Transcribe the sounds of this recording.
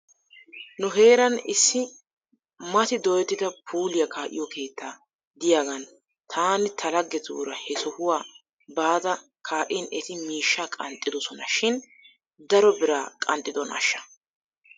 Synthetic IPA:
nʊɦe̞ːɾɐnɪsːɪ | mɐt̪ɪd̪ɔjɛt̪ːɪd̪ɐpʰuːlɪjɐkʰaːʔɪ̰jɔkʰe̞ːt̪ːaː | d̪ɪjaːɡɐn | t̪ʰaːnɪt̪ʰɐlɐɡːɛt̪ṵːɾɐhɛsɔhʊwaː | baːd̪ɐ | kʰaːʔɪnʔɛt̪ɪmiːʃːakʼɐnt̪ʼːɪd̪ɔsɔnɐʃɪn | d̪ɐɾɔbɪɾaːkʼɐnt̪ʼːɪd̪ɔnɐ̰ʃːɐ̥

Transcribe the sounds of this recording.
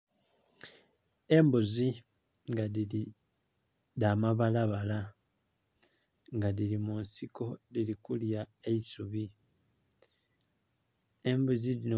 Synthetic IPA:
e̞mbuzi | ŋɡaðili | damaβalaβala | ŋɡaðilimunsiko̞lilikuljaeisuβi | e̞mbuzilino

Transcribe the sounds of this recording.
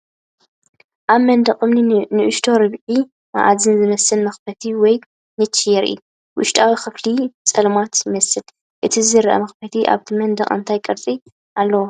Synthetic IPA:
ʔaβmɐnd̪ɐkʼɨmninɨʔɨʃt̪ʰo̞ɾɨβʕi | ma̰ʔazɨnzɨmɐsɨnmɐxfʰɐt̪ʰiwɔj | nɨt͡ʃʰːijɛɾɨ̰ʔḭu | wʊʃt̪ʼawixɨflit͡sʼɐlmat̪jɪmɐsɨl | ʔɨt̪ʰizɨɾʔɐ̰mɐxpɐt̪ʰiʔa̰βt̪ʰimɐnd̪ɐχʼɨ̰nt̪ʰajkʼɨɾt͡s̪ʼi | ʔalːɐwo

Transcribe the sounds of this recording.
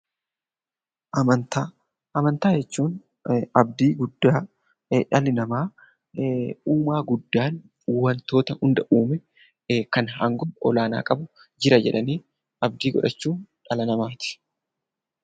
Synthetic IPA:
ʔɐmɐnt̪aː | ʔɐmɐnt̪aːd͡ʒɛt͡ʃːuːn | ɐbd̪iːɡʊd̪ːaː | ᶑɐlɪnɐmaː | uːmaːɡʊd̪ːaːnː | wɐnt̪o̞ːt̪ɐhʊnd̪ɐʔuːmɛ | kɐnhɐŋɡɔɔlaːna̰ːkʼɐbʊ | d͡ʒɪɾɐd͡ʒɛ̰ᶑɐniː | ɐbd̪iːɡɔ̰ᶑɐt͡ʃːuːᶑɐlɐnɐmaːt̪ɪ̥

